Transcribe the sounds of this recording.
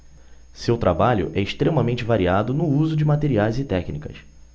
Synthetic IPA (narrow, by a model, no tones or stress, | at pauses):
sewt̪ɾabaʎʊ̰ʔɛɪʃt̪ɾemɐmẽt͡ʃɪvaɾiad̪ʊnʊuzʊd͡ʒɪmat̪eɾiajzɪt̪ɛknikɐ̰s